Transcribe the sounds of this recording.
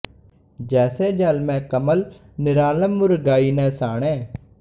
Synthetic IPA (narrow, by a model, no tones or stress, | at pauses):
d͡ʒɛːseːd͡ʒəlmɛ̃ːkəməl | nɪɾaːləmːʊɾɡaːiːnɛ̃ːsaːɳ̃ẽː